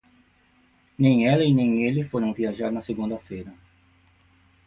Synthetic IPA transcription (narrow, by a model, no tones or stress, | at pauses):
nẽj̃ɛlɐinẽj̃elɪfoɾɐ̃w̃viaʒaɾnɐseɡũnd̪ɐfejɾɐ